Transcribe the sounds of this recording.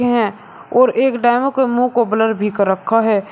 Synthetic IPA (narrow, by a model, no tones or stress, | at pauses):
eɦɛ̃ | ɔːɾeːkɖaɪmõkemũkobələɾbʱikəɾːəkʰːaɦɛː